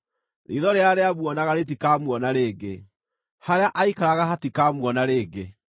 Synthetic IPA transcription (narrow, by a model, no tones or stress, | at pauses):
ɾḭðɔɾeaɾeamwɔnaɣaɾet̬ikamwɔnaɾeːɡe | haɾeaʔaikaɾaɣaɦatikamwɔnaɾeːɡe